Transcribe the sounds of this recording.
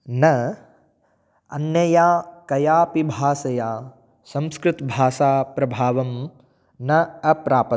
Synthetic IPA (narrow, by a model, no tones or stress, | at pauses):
nɐ | ɐ̰njɐjaːkɐjaːpibʱaːsɐjaː | sɐ̃mskɾɨt̪bʱaːʃaːpɾɐbʱaːʋɐm | nɐɐpɾaːpɐ